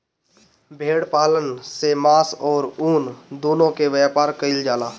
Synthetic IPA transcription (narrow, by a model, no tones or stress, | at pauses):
bʱeːɽpaːlənsemaːsɔːɾuːnd̪uːlõkeʋjapaːɾkəɪld͡ʒaːlaː